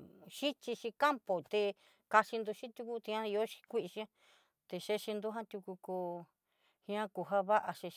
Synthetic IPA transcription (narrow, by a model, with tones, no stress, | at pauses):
ʃi˦t͡ʃi˧ʃĩ˧ka˦mpo˨t̪e˧ | ka˧ʃi˧nd̪u˧ʃĩ˦t̪ʲu˧ku˧t̪i˧ã˦i˧o˦ʃi̥˧kʷi˦ʔʃĩ˦ã˦ | t̪e˧ʃe˧ʃi˧nd̪u˦ɦã˦t̪ʲu˧ku˧ku˧ | hĩ˧˦ã˦ku˧ɦa˦βa˦ʔa˧ʃe˧ʃ